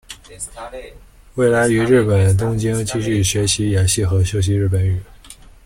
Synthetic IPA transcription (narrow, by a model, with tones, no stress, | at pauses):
we˥˩ɪla˧˥ɪy˧˥ɻɻ̩˥˩pə˨˩nt̪̬ʊ˥ŋt͡ɕi˥ŋt͡ɕi˥ɕy˥˩ɕɥɛ˧˥ɕi˧˥ja˨˩ɕi˥˩xɤ˧˥ɕjo˧˥ʊɕ̬i˧˥ɻ̩˥˩pə˨˩˥ny˨˩˦